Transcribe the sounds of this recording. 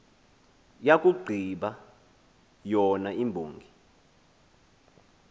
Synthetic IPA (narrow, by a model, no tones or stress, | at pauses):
jak̬ʼuɡ͡ǀʱiɓa | jɔnaimbʱuːŋɡʱi